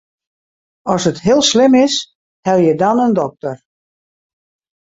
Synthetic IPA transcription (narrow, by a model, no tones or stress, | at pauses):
ɔsətɦɪəlˠslɪmɪs | hɛlˠjədɔnəndɔk̚tər